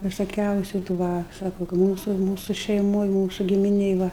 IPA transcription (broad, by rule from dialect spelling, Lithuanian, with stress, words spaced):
ʋʲɪsoːˈkʲɛʊsʲʊ tuː ˈʋɐ ˈsɑːkoː kɐ ˈmuːsʊ ʃʲɛɪˈmoːj ˈmuːsʊ ɡʲɪmʲɪˈnʲeːj ˈʋɐ